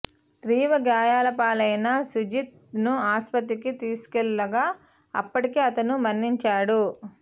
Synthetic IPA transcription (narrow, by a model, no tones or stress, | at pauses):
t̪ɾiːʋɐɡjaːjaːlɐpaːlɐjnɐsud͡ʒit̪̚ | nuaːspɐt̪̬ːikit̪iːsu̥kɛlːɐɡaː | ɐ̰pːɐʈikeːɐt̪ɐnumɐnːiɲt͡ʃaːɽu